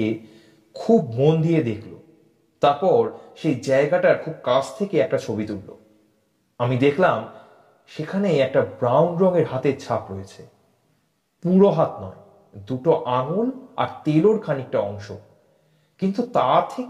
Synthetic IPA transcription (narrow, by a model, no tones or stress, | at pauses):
e | kʰub̚mond̪ijed̪ekʰlo | t̪aɾpɔɾʃejd͡ʑaeɡaʈaɾkʰub̚kat͡ɕʰt̪ʰekeɛk̚ʈat͡ɕʰobit̪uɾlo̰ | amid̪ekʰlam | ʃekʰaneɛk̚ʈabɾawnɾɔŋeɾɦat̪eɾt͡ɕʰapɾoet͡ɕʰe | puɾoɦat̪nɔe | d̪uʈoʔaŋola̰ɾt̪eloɾkʰanik̚ʈaɔŋʃo | kint̪ut̪at̪ʰe